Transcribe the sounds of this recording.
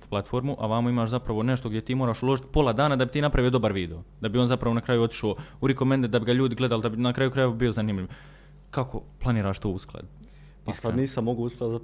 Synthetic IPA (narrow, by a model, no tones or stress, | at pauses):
plat̪fo̞ɾmuʔaʋamoimaːʃzapɾaʋo̞ne̞ʃt̪oɡd̪ʲje̞t̪iːmo̞ːɾaːʃulo̞ʒit̪po̞lˠad̪aːnad̪abit̪iːnapɾaʋio̞d̪obaɾʋiːd̪e̞od̪abio̞ːnzapɾaʋo̞nakɾaːjuo̞t̪i̥ʃoːuɾikomend̪ed̪abiɡaʎuːd̪iɡle̞d̪alod̪abinakɾaːjukɾaje̞ʋabio̞zaniːmʎiʋ | kakʰo̞̰plˠaniːɾaːʃt̪oːusklˠa̰d̪ | isad̪niːsammoɡousklˠad̪za